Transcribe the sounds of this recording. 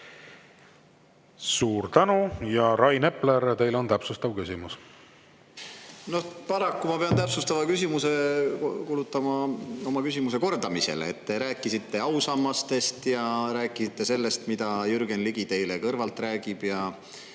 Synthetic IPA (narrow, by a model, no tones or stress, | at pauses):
suːɾt̪ænujɑɾɑjne̞pːleɾt̪e̞jlo̞nt̪æpsust̪ɑvkysʲimus | no̞hpɑɾɑkːumɑpe̞ɑnt̪æpsust̪ɑvɑkysimuse̞kulut̪ːˑɑmɑo̞mɑkysʲimuse̞ko̞rd̪̥ɑmisḛleet̪ːe̞ɾæːkːˑisit̪ːe̞ɑwsɑmːɑst̪e̞st̪jɑɾæːkːˑisit̪ːe̞se̞lːe̞st̪mid̪̥ɑjyɾɡ̥enliɡ̥it̪e̞jlekɤrvɑlt̪ˑræːɡib̥jɑ